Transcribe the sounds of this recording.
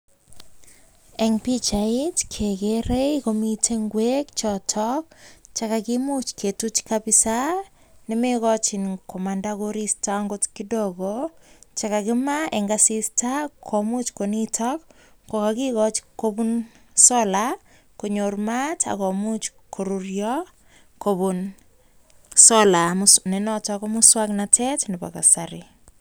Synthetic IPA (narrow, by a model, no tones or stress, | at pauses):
ɛŋpit͡ʃaitkʰekeɾekomitʰeŋɡwekt͡ʃɔtʰɔkt͡ʃakakimut͡ʃkʰetut͡ʃkabisa | nimekɔt͡ʃinkʰɔmandakoɾistaŋɡotkidɔɡot͡ʃakakɪmaɛŋɡasistakʰɔmut͡ʃkonitʰɔk | kokakikɔt͡ʃkobun | sɔla | koɲormatʰa̰kɔmut͡ʃkʰoɾurjɔ | kobun | sɔlamusnenɔtɔkɔmuswaknatʰɛtniba̰ka̰saɾɪ